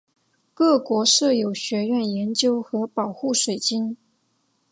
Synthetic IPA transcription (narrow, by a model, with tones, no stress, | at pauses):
kɤ˥˩kwɔ˧˥ʂɤ˥˩jo˨˩ʊɕɥɛ˧˥ɥɛ˥˩njɛ˧˥nt͡ɕjo˥ʊxɤ˧˥pɑ˨˩ʊxu˥˩ʂwe˨˩ɪt͡ɕi˥n